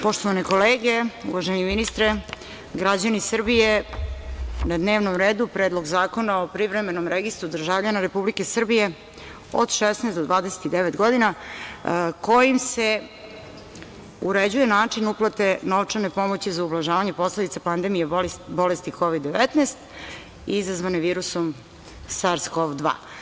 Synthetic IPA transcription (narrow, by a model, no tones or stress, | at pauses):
po̞ʃt̪oʋaneko̞leːɡeṵʋaʒeniminist̪ɾe | ɡɾad͡ʑanisr̩bije | nad̪neːʋnomɾeːd̪upɾeːd̪lˠo̞ɡzaːko̞naopɾiʋɾemenomɾeɡist̪ɾud̪r̩ʒaʋʎanaɾepublike̞sr̩bije̞ | o̰d̪ʃesnɛːsd̪od̪ʋaːd̪ese̥t̪id̪eʋet̪ɡo̞d̪ina | ko̞jimse | uɾed͡ʑuje̞naːt͡ʂinuplˠat̪e̞noʋt͡ʂanepo̞mot͡ɕizaublˠaʒaːʋaɲe̞po̞sled̪it̪sapand̪e̞mijebolest̪ikoʋid̪ːeʋet̪nɛst̪ | izazʋaneʋiːɾusom | saɾskoʋd̪ʋa̰ː